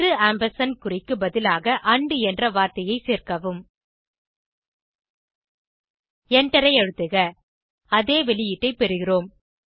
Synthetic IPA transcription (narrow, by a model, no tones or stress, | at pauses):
ɾɯaːmbɐɾsɐnkʊrɪkːɯbɐðɪlaːɣɐʔɐɳɖɯɛndrɐʋaːɾt̪ɐjɐɪseːrkɐʋɯm | ɛɳʈɐɾɐɪɛɻɯt̪ːɯɣɐ | ɐðeːʋɛɭɪjɪʈːɐɪpɛɾɯɣɪroːm